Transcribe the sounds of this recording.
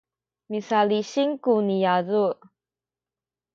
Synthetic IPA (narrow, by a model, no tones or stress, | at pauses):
misaliɕiŋkunijazu